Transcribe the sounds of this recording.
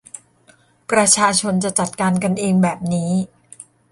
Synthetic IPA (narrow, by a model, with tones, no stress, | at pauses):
pɾa˧t͡ɕʰaː˧t͡ɕʰo˧nt͡ɕa˨˩t͡ɕa˨˩t̪̚kaː˧nka˧nʔeː˧ŋbɛː˨˩p̚niː˦˥